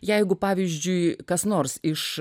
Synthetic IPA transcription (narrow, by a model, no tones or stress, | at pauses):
jɛɪɡʊpɑːʋʲɪzʲd͡ʒʲʊɪkɐsnoːrsɪʃ